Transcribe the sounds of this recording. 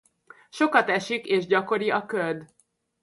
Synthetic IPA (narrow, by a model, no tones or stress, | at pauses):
ʃo̞kɒt̪ɛʃikeːʒɟɒko̞ɾiɒkørd̪